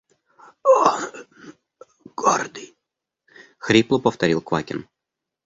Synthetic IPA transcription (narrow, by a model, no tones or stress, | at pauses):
o | ɡ̥o̰rd̪ɨj | xɾʲiplˠʊpəft̪ɐɾʲilˠkva̰kʲɪ̰n